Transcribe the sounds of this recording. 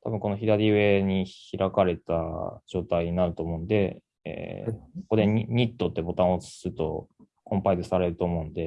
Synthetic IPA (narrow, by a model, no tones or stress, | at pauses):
t̪ʰabɯ̟ŋko̞no̞çid̪aɾʲiβe̞ɲ̟içiɾʔakaɾe̞t̪a̰d͡ʑo̞ːt̪aiɲ̟inaɾɯ̟t̪o̞ːmo̞ɯ̟nd̪e̞ | ḛːoko̞d̪e̞ɲɲ̟it̪ːo̞t̪ːe̞bo̞t̪ãɰ̃ot͡sɨ̥sɨt̪o̞ | kʰõ̞mpaizɨsaɾe̞ɾɯ̟t̪o̞ːmo̞ɯ̟̃nd̪e̞